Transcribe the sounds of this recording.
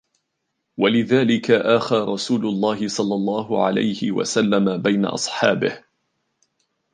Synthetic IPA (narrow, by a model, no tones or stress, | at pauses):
walɪðaːlɪkaʔaxaːɾˤɑsuːlʊlˤːɑːɦɪsˤɑlːɑlˤːɑːɦʊʕa̰la̰jhɪwa̰salːamabajna̰ʔɑ̰sˤħɑːbɪh